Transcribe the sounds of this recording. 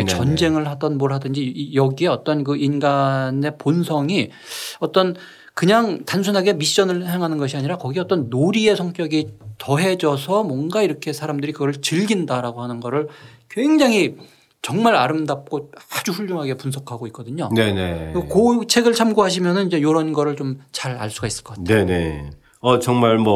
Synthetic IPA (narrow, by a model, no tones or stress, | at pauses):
t͡ɕʌnd͡ʑe̞ŋɯɭhadʌnmoɭɦadɯnd͡ʑijʌɡie̞ʌt͈ʌnk̬ɯʔinɡane̞ponsʰʌŋi | ʌt͈ʌn | kɯɲaŋtans̬ʰunɦaɡe̞miɕ͈ʌnɯɭɦeŋɦanɯnɡʌɕʰiaɲiɾakʌɡiʌt͈ʌnːoɾie̞sʰʌŋk͈jʌɡitʌɦe̞d͡ʑʌsʰʌmwʌnɡaiɾʌkʰe̞sʰaɾamdɯɾikɯɡʌɯɭt͡ɕɯɭɡindaɾaɡohanɯnɡʌɾɯɭkweŋd͡ʑaŋɦi | t͡ɕʌŋmaɾaɾɯmdap̚k͈oad͡ʑuɸuɭjoŋɦaɡe̞punsʰʌkʰaɡoik͈ʌdɯɲone̞nḛokot͡ɕʰe̞ɡɯɭt͡ɕʰamɡuɦaɕ̬ʰimjʌnɯnid͡ʑe̞joɾʌnɡʌɾɯɭt͡ɕomt͡ɕaɾa̰ɭs͈uɡais͈ɯ̥ɭkʌateene̞̰ | ʌt͡ɕʌŋmaɭmʌ